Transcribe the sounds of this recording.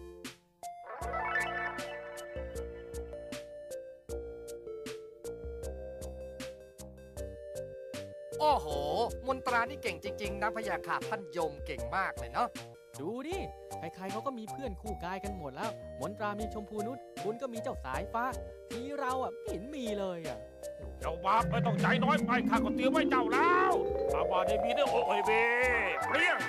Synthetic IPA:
ʔoː˧˩hoː˩˦mo˧˦nt̪ɾaː˧niː˥˩ke˨˩ŋt͡ɕi˧ŋt͡ɕi˧ŋna˦˥pʰːa˧jaː˧kʰaː˨˩t̪ʰːa˥˩njo˧ŋke˨˩ŋmaː˥˩k̚lɤː˧jnɔ˦˥ʔ | duː˧niː˥˩ | kʰa˧˩kʰa˧jkʰa˦˥wkɔː˥˩miː˧pʰɯ˥˩ənkʰuː˥˩kaː˧jka˧nmo˨˩t̪̚lɛː˦˥˩wmo˨˧˦nt̪ɾaː˧miː˧t͡ɕʰo˧mpʰuː˧nu˦˥t̪̚kʰu˧nkɔː˥˩miː˧t͡ɕa˥˩wsa̰ː˨˩˦jfaː˦˥ʔt̪ʰiː˧˥ɾa˧wʔa˨˩˨nmiː˧lɤː˧jʔa̰˨˩˧ | t͡ɕa˧˩wba˦˥˩p̚kʰɤː˧˩jt̪ɔ˥˩ŋt͡ɕa˧˥˩jnɔː˦˥jpa˧jt̪ʰaː˥˩nkɔ˥˩t̪i˧əwmaː˥˩jt͡ɕa˧˩wlɛː˦˥wpa˧˩p̚waː˧˩naː˧˩miː˧˥nɯ˥˩əʔoː˧˩ʔoː˧˩jbeː˧i˥˩ə

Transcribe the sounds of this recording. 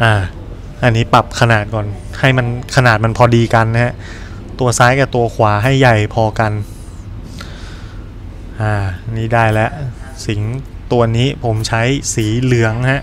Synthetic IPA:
ʔaː˧˩ | ʔa˧nːiː˦˥pa˨˩p̚kʰa˧naː˨˩t̪̚kɔː˨˩n | ha˥˩jma˧nkʰa˧naː˨˩t̪̚ma˧npʰɔː˧diː˧ka˧nː˦˥ɦɛ˦˧˥ʔ | t̪u˧ɐsaː˦˥jkaː˨˩t̪u˧ɐkʰwaː˩˦ɦa˥˩jːa˨˩jpʰɔː˧ka˧n | ʔaː˧˩˧niː˦˥daː˥˩jlɛ˦˥ʔ | si˩˦ŋ | t̪u˧ɐniː˦˥pʰo˩˦mt͡ɕʰa˦˥jsiː˩˦lɯ˩˦əŋha˦˥ʔ

